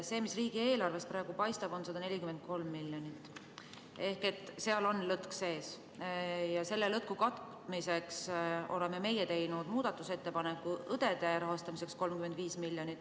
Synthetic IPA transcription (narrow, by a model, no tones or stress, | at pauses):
seːmisriːɡ̥ie̞ːlɑrve̞st̪̚prɾɑːe̞ɡ̥upɑjst̪ɑb̥o̞nsɑd̪̥ɑne̞lʲikyme̞nd̪̚ko̞lmːilʲjonit̪ːˑ | e̞hke̞t̪ːˑseɑlo̞nlɤt̪kse̞ːs | jɑse̞lːelɤt̪̚kukɑt̪ | mise̞kso̞̰le̞meme̞jet̪e̞jnud̪̥muːd̪̥ɑt̪ːˑuse̞t̪ːe̞pɑne̞kːˑuɤd̪̥e̞d̪̥e̞ɾɑɦɑst̪ɑmise̞ksko̞lmkyme̞nd̪̥viːsmilʲːjo̞nʲit̪ːˑ